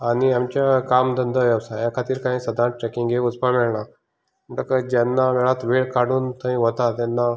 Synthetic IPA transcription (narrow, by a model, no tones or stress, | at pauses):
aɽiamt͡ɕjakamd̪ənd̪əʋawsajakʰat̪iːɾkãɦĩːsəd̪ʱãʈɾɛkiŋɡeud͡zpamɛɭɳa | məʈakəd͡ʑanːaʋɛɭat̪ʋeɭkaɽuːnt̪ʰəɦĩʋət̪at̪janːa